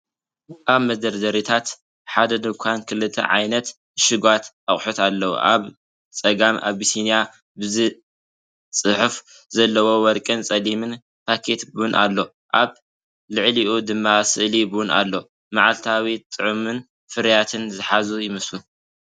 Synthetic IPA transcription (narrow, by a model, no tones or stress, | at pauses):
ʔaβmɐd̪ɐɾd̪ɐɾit̪ʰat̪ | ħad̪ɐd̪ɨkʷʰankʰɨlːɨt̪ʰːɐ̰ʕa̰jnɐt̪ | ʃɨɡwat̪ | aχʼħut̪alːɐwṵʔa̰β | t͡sʼɐɡamʔa̰βːisinija | bɨzɨ | t͡sʼɨħf | zɐlːɐwo̞wɔɾkʼɨnt͡sʼɐlimɨn | pʰakʰe̞t̪bɨwʊnʔa̰lːo̞ | ʔaβ | lɨʕliʔud̪ɨmːasɨʔlibɨwʊna̰lːo̞ | maʕalt̪ʰawit̪ʼɨʕumɨn | fɨɾjat̪ʰɨnzɨħazujɪmɐslu